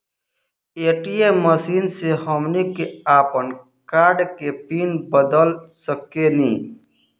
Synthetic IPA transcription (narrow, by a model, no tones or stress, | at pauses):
eːʈieməsiːnsehəmnikeaːpən | kaːɾɖkepiːnbəd̪əlsəkenĩː